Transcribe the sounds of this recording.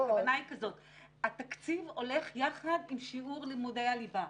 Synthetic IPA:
vanajkazo̞t | at̪akt͡sivo̞le̞χjaχad̪imʃiʔuʁlimudejaliva

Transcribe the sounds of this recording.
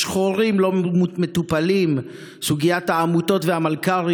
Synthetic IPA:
ʃχoʁimlo̞metupalim | suɡijathaːmuto̞tvehamalkaʁ

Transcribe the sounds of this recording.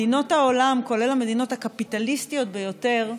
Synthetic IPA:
ino̞thao̞lamko̞le̞lame̞d̪ino̞thakapitalistijo̞t̚bejo̞te̞ʁ

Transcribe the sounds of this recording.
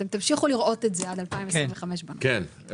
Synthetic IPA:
t̪emt̪amʃiχuliʁʔo̞t̪etzead̪alpaimvesʁiveχameʃbanken

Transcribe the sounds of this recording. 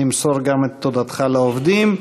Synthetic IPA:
imsoɾɡamet̪ːod̪at̪χaleovd̪im

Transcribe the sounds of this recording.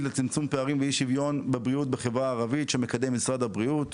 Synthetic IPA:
tlet͡simt͡sumpeaʁimveiʃivjo̞nbebʁiut̪̚beχevʁaːʁavitʃemekad̪emːisʁad̪abʁiut̪

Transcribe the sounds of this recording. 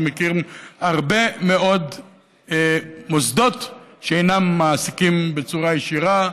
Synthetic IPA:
mekiʁmaʁbe̞meo̞d̪ | mosd̪o̞t̪ʃeejnamːaːsikimbet͡suʁajeʃiʁa

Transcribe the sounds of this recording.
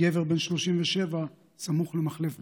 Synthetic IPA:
eveʁbe̞nʃlo̞ʃimveʃeva | samuχlemaχlef

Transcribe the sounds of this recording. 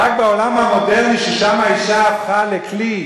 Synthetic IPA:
ak̚beo̞lamhamodeʁniʃeʃamaiʃaːfχalekli

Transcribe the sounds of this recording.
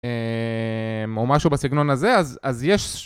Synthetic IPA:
e | mo̞maʃubasiɡno̞naze̞azazjeʃ

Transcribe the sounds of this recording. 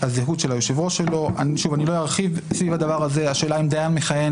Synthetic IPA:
azeɦudʃelajoʃevo̞ʃe̞lo̞ʔaniʃuvanilo̞jaʁχivsvivad̪avaʁaze̞aʃeːlaimd̪ajanmeχaje̞n

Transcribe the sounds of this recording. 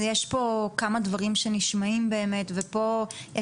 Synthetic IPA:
jeʃpo̞kamadvaʁimʃeniʃmaimbe̞ːme̞tvepo̞je

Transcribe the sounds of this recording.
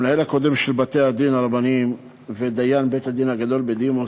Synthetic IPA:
nahelako̞d̪emʃelbat̪ehad̪inaʁabanim | ved̪ajanbet̪had̪inhaɡad̪o̞lbed̪imo

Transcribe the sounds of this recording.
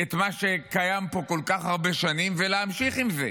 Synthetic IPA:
et̪maʃe̞kajampo̞ko̞lkaχhaʁbeʃanimveleamʃiχimze̞

